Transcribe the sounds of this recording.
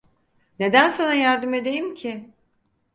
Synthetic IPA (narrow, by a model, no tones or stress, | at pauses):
ne̞d̪ænsanajaɾd̪ɯme̞d̪e̞jimcʰɪ